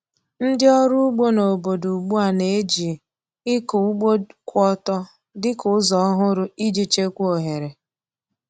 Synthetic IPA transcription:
n̩˦dɪ˦ɔ˦ɾʊ˦ɡ͡bo˦no˨bo˨du˨ɡ͡bu˦a˨ne˨e˦d͡ʒi˨ | ɪ˦ku˨˦ɡ͡bo˦kʷɔ˦tɔ˦ | dɪ˦kʊ˨˦zɔ˨˦ɦʊ˦ɾʊ˦i˦d͡ʒi˦t͡ʃe˦kʷu˦o˨ɦe˨ɾe˨

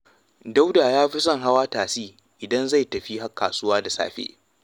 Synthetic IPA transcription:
da˦wdaː˨jaː˦ɸi˦s̬ɐ˦˨ŋɦa˦waː˦taː˨siː˦ | ʔɪ˨dɐ˦nza˦˨jtɐ˨ɸi˦ha˦kːaː˨sʊ˦waː˦da˨sa̰ː˨ɸḛː˦

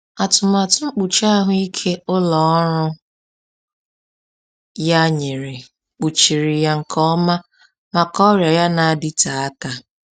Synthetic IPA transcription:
a˨tʊ˨ma˨tʊ˦ŋ͡m̩˦k͡pu˨t͡ʃa˦ɦʊ˦i˦kʰe˦ʊ˦lɔ˨ɔ˦ɾʊ˦ | ja˦ɲe˨ɾɪ˨ | k͡pu˨t͡ʃi˨ɾi˨ja˨ŋ̩˨kʰɔ˦ma˦ | ma˨kɔ˦ɾja˨ja˦na˨a˨dɪ˦ta˨a˦ka˦

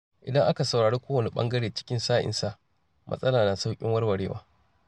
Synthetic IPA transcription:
ʔɪ˨dɐ˦ŋʔa˦ka˨sɐ˨wɾaː˨ɽeː˦kʷoː˦wɐ˨ni˨ɓɐ̰˦ŋɡɐ˦ɽeː˨t͡ʃɪ̥˦kʲɪ˦nsaː˦ʔɪ̰˨nsa˦˨ʔ | mʔɐ̰˦sʼɐ˦laː˨na˨sa˦wkʲʼɪ˦ŋwɐ˦rwɐ˨ɽeː˦wa̰ː˦

